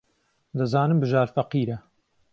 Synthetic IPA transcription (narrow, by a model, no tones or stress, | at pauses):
d̪ɐzaːnɨmbɨʒaːɾfɐqiːɾɐ